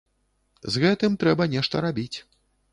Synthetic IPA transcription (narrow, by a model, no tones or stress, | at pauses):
zɣɛt̪ɨmt̪ɾɛbɐnʲɛʂt̪ɐɾabʲit͡sʲ